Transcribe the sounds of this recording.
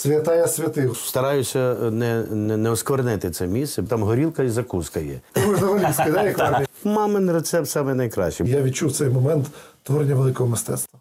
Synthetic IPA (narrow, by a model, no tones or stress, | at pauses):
sʲʋʲɐt̪ɑjɐsʲʋʲɐt̪ɪwst̪ɐɾɑjʊsʲːɐnɛnɛnɛɔskʋɐrnɪt̪ɪt̪sɛmʲisɛt̪ɑmɦɔɾʲilˠkɐizɐkuskɐjɛ̰ʊʒnɐɦɐlʲisʲijd̪ajʲɛkʋɔɾʲmɑmɪnɾet̪sɛp̚t̪sɑmɛnɐjkɾɑ̰ʃt͡ʃijaʋʲid̪̚t͡ʃuwtsɛjmɔmɛnt̪t̪ʋɔɾenʲːɐʋelˠɪkɔɦɔmɪst̪ɛ̰t̪st̪ʋɐ